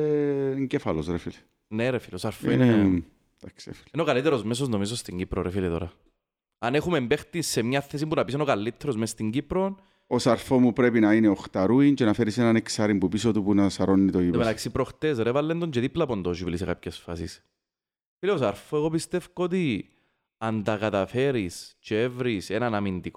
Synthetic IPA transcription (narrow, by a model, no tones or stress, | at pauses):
eɲɟefɐlosɾefili | neɾefilosɐɾfoḭne | d̪̥aksḛfi̥linokalit̪ɛɾozmes̬oznomis̬ost̪iɲɟipɾoɾefilit̪oɾɐ̰ | ɐnexumembext̪isemɲaθes̬imbunɐpisenokalːit̪ːeɾozmest̪iɲɟipɾon | osɐɾfomupɾepinɐineoxt̪ɐɾuint͡ʃenɐfeɾisenaneksaɾimbupisot̪upunɐsɐɾonːit̪oimet̪aksipɾoxt̪esɾevɐlːend̪oɲd͡ʒeðiplɐpond̪oʃuviliseka̰pçesfa̰sḭs | fileosɐɾfoeɣo̞pist̪efkoot̪i | ɐnd̪ɐkat̪ɐfeɾist͡ʃeevɾisenɐnɐmind̪iko